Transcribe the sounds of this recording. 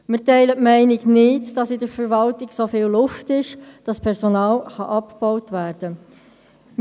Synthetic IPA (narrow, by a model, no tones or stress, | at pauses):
mətɛɪlətmɛɪnɪɡnɪtd̥ɑsɪdəɾfəɾʋɑltɪɡsofiːllʊftɪʃd̥ɑspʰɛʁsonɑːlχɑʔɑpb̥ɔʊtʋæːɾd̥ə